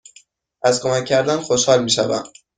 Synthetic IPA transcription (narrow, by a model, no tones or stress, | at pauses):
ʔæzkʰomæcʲʰːæɾd̪ænxoʃhɒːlmiːʃævæ̰m